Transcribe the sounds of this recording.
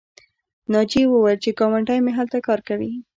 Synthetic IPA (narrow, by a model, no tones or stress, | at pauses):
nɑd͡ʒiwəwajlt͡ʃekɑmaɳʈɑjmeɦalt̪akɑɾkawi